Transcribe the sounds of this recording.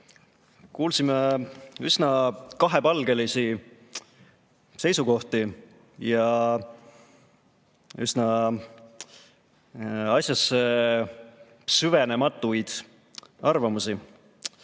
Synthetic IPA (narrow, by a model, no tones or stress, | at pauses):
kuːlsimeysnɑkɑɦepɑlɡ̥e̞lisi | se̞jsuko̞ht̪i | jɑ | ysnɑ | ɑsʲjɑse | syvene̞mɑt̪ːˑujd̪̥ | ɑrvɑmusi